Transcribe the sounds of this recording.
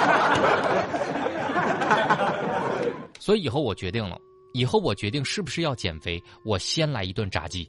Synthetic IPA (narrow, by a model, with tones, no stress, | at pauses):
swɔ˧˥i˧˥˨xo˥˩ʊwɔ˨˩t͡ɕɥɛ˧˥i˥˩ŋlə̰˩ | i˨˩xo˥˩ʊwɔ˨˩t͡ɕɥɛ˧˥t̪i˥˧ŋʂɻ̩˥˩bu˩ʂɻ̩˥˧jɑ˥˩ʊt͡ɕjɛ̰˨˩nfe˧˥ɪ | wɔ˨˩ɕjɛ˥nla˧˥ɪi˧˥t̪wa˥˩nʈ͡ʂa̰˧˥t͡ɕi˥˩